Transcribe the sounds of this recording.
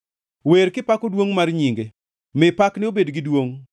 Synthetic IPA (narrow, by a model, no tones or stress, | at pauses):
weɾkɪpakodwoŋmarɲiŋɡe | mɪpaknɪobedɡɪdwoŋ